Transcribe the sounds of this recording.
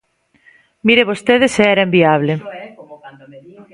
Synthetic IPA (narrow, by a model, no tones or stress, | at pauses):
miɾeβost̪eðɪseɛɾaembiaβ̞le